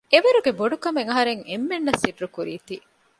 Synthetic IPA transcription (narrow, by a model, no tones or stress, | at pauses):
eʋɐɾuɡeboɖukɐmeŋɐɦɐɾeŋemːenːɐsiɖɾukuɾiːt̪i